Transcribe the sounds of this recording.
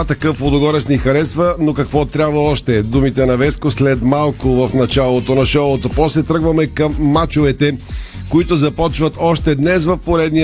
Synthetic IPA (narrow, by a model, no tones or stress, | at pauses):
t̪ɐkɤfod̪oɡɔɾɛsnixɐɾɛsvənokɐkvɔt̪ɾʲabvɐɔʃt̪ɛd̪umit̪ɛnɐvɛskʊslɛt̪malˠkʊvɐfnɐt͡ʃalˠot̪onɐʃɔlˠot̪opɔslɛt̪ɾɤɡvɐmɛkɐmːat͡ʃovɛt̪ɛkoit̪ʊzɐpɔt͡ʃvɐt̪ɔʃt̪ɛd̪nɛsvɐfpoɾɛd̪ni